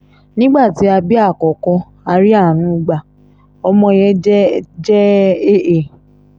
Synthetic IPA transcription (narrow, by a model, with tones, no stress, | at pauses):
nĩ˦ɡ͡ba˦˨ti˨˦a˧bi˦a˦˨kɔ˨kɔ˧ | a˧ɾi˦a˦˨nũ˨˦u˦ɡ͡ba˧˨ | ɔ˧mɔ̃˧jɛ˦d͡ʒɛ˦e˦˨ʔe˨